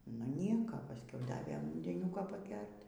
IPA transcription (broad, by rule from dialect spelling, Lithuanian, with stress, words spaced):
nʊ ˈnʲiɛkɐ pɐsʲˈkʲɛʊ ˈdɑːʋʲeː ʊnʲdʲɛˈnʲʊkoː pɐˈɡʲɛrʲtʲ